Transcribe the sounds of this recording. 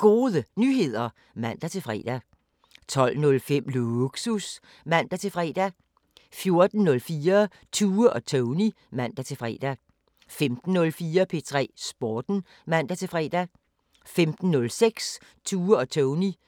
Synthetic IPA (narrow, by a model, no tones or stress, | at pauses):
ɡ̥o̝ːðˠənyɦe̝ð̰ˠɐ | mæn̰d̥æt͡sʰe̝fʁɛ̰ːd̥æ | t͡sʰɒ̽l̰nɔ̽lfem̰luuɡ̥sus | mæn̰d̥æt͡sʰe̝fʁɛ̰ːd̥æ | fjo̝ɐd̥n̩nɔ̽lfiːɐ | t͡sʰuːəʔɒ̽t͡sʰoʊni | mæn̰d̥æt͡sʰe̝fʁɛ̰ːd̥æ | femd̥n̩ːɔ̽lfiːɐpʰe̝t͡sʰʁɛ̰ːsb̥ɒːd̥n̩ | mæn̰d̥æt͡sʰe̝fʁɛ̰ːd̥æ | femd̥n̩ːɔ̽lseɡ̥s | t͡sʰuːəɒ̽t͡sʰʊni